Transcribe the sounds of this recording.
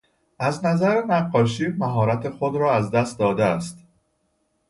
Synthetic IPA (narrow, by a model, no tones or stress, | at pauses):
ʔæznæzæɾenæɢːɒːʃ̬iːmæɦɒːɾæt̪ʰe̞xod̪ɾɒːæzd̪æst̪̚d̪ɒːd̪eæst̪